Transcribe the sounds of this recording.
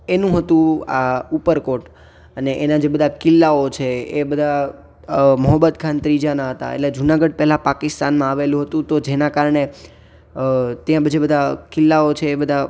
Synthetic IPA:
enũɦət̪ũaupəɾkoʈ | əneʔenad͡ʒebəd̪ʱakɪlːaot͡ʃʰeebəd̪ʱa | məɦəbːəd̪kʰant̪ɾid͡ʒanaɦət̪a̰ḛʈled͡ʒunaɡəɖ̚pɛɦlapakɪst̪anmãaʋelũɦət̪ũt̪od͡ʒenakaɾɳe | t̪jãbəd͡ʒebəd̪ʱakɪlːaot͡ʃʰeːbəd̪ʱa

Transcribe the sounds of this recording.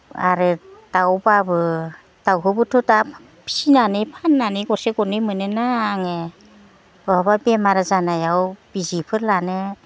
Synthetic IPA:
aɾɯd̥awbabɯ | d̥awɦɯbɯtʰɔta | pʰi̥sinanɯpʰanːaniɡɔseɡɔnɯmɯnɯnaŋe | b̥ɔababemaɾazanajawb̥izipʰɯɾlane

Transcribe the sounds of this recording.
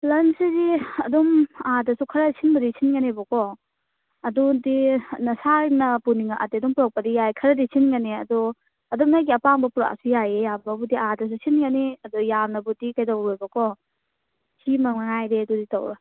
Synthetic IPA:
lɐnsidiɐdumadɐsukʰɐɾɐsʰinbɐdisinɡɐnebɐkɔ | ɐdudinɐsanɐpuniŋaʔa̰teɐduŋpuɾak̚pɐdijajkʰɐɾɐdisinɡɐniɐ̰dɔ | ɐdumnajɡiɐpaŋbɐpuɾa̰sujajejambɐbudiadɐs̬usinɡɐniɐdujanɐbutikajdawɾojbɐkɔ | simɐŋaŋajdeɐdɔditɔ̰wɾa

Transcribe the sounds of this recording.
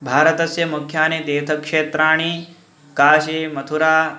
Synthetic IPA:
bʱaːɾɐt̪ɐsjɐmukʰjaːnid̪eːt̪ʰɐkʂeːt̪ɾaːɳ̃i | kaːʃimɐt̪ʰuɾaː

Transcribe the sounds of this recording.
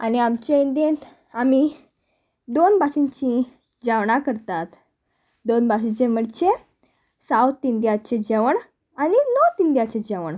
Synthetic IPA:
a̰niamt͡ɕeind̪ent̪ | ami | d̪onbʱaɕĩɲt͡ɕĩ | d͡ʑaʋɳakəɾt̪at̪ | d̪onbʱaɕĩɲt͡ɕem̤əɖt͡ɕe | sawt̪ːind̪iat͡ɕed͡ʑɛʋəɳ | aninɔt̪ind̪iat͡ɕed͡ʑɛʋəɳ

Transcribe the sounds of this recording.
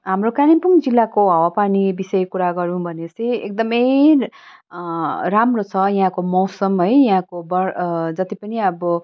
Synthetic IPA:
ɦamrokanipuŋd͡zilːakoɦʌwapanibisʌjkuɾaɡʌɾũbʱʌnet͡siek̚d̪ʌmʌj | ɾamrot͡sʰʌjɦãkomʌwsʌmɦʌjjɦãkobʌɾd͡zʌt̪ipʌniʌbʌ

